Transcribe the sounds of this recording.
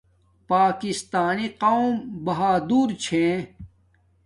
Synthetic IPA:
paːkist̪aːniqawmbɐɦaːd̪uːɾt͡ɕʰẽ

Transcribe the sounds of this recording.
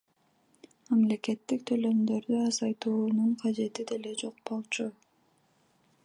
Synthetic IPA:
mɑmle̞ke̞t̪ːik̚t̪ʰø̞lø̞md̪ø̞ɾd̪yɑzɑjt̪uːnuɴqʰɑd͡ʒe̞t̪id̪e̞le̞d͡ʒo̞q̚bo̞lˠt͡ʃʰu

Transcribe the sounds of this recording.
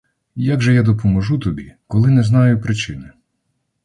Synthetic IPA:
jaɡʒɛjad̪ɔpɔmɔʒut̪ɔbʲikɔlˠɪnɛznɑjʊpɾɪt͡ʃɪnɪ

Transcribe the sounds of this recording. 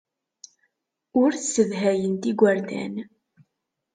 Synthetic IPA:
ʊɾθsəðɦæjənt̪iɡʷaɾd̪æ̰n

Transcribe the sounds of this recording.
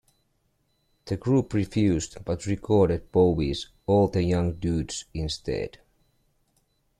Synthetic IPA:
ð̥ɨɡɹupɹifjʉzdb̥ʌtɹikʰɔɹɾɨd̚b̥oʊbiz | ɔlˠðəjʌ̃ŋduːdsɪ̃nst̪ʰɛ̰d̥

